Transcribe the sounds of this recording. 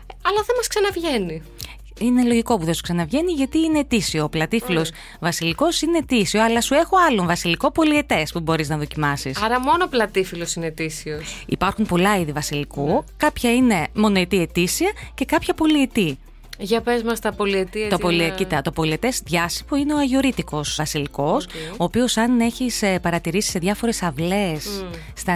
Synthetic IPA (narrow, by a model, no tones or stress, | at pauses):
ɐlɐθɐmɐsksɐnɐvʝe̞ni | ine̞lo̞ʝiko̞puðesu̥ksɐnɐvʝe̞niʝɐt̪iine̞ːt̪isio̞ːplɐt̪ifilo̞s | vɐsiliko̞sine̞ːt̪isio̞ɐlɐsue̞xoɐloɱvɐsiliko̞po̞lie̞t̪e̞spubo̞ɾiznɐðo̞cimɐsisɐɾɐmo̞noplɐt̪ifilosinet̪isiosḭpɐɾxumpo̞lɐiðivɐsilikukɐpçɐine̞mo̞no̞it̪ie̞t̪isiɐce̞kɐpçɐpo̞liet̪i | ʝɐpezmɐst̪ɐpo̞liet̪it̪opo̞liecit̪ɐt̪o̞po̞lie̞t̪e̞sðʝɐsi̥puine̞oɐʝio̞ɾit̪iko̞svɐsiliko̞soːpio̞sɐne̞çispɐɾɐt̪iɾisi̥se̞ðʝɐfo̞ɾe̞sɐvle̞sː | t̪ɐ